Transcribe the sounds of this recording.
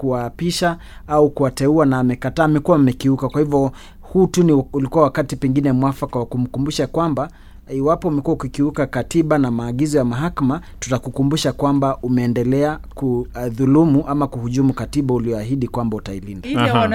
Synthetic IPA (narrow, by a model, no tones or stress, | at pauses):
kuwaːpiʃa | aukuwatɛuanaːmɛkataːmɛkuwaamɛkiukakwahivɔ | huːtuniulikuwawakatipɛŋɡinɛmwafakawakum̩kumbuʃakwamba | iwapɔumɛkuaukikiukakatiɓanamaːɠizɔjamaɦakama | tu̥takukumbuʃakwambaʔumɛːndɛlɛakuðulumuʔamakuhuʄumukatiɓauliɔaɦiɗikwambautailinda